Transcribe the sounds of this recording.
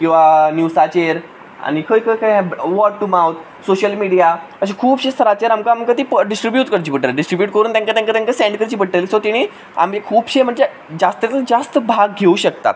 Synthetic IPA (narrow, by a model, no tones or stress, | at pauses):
kĩw̃ʋanjusat͡ɕeɾ | a̰ɽ̃ikʰəjkʰəjkʰaɦɛ̃ʋɔɖ̚ʈumawt̪ | soɕəlmiɽija | əɕ̬ekʰuːbɕest̪ʰəɾat͡ɕeɾamkaamkət̪iːpəɖisʈɾibjuːt̪kəɾt͡ɕiːpəʈːəlɖisʈɾibjuʈ̚kəɾuːnt̪jãŋkat̪jaŋkat̪jãŋkasẽɳɖkəɾt͡ɕiːpəʈəlisot̪iɽ̃iː | a̰mekʰuːbɕem̤əɳd͡ze | d͡ʑast̪et̪əd͡zast̪əbʱaɡ̚ɡʱeuːɕək̚t̪a̰